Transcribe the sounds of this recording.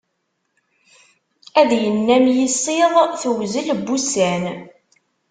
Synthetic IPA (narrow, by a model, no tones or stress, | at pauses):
æðjənːæmjəsːɪðˤθəwzəlbːusæn